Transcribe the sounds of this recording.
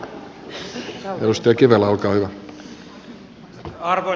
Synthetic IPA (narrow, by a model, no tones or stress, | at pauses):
ḛdust̪ɑjɑkiʋelɑlkɑːhyʋæ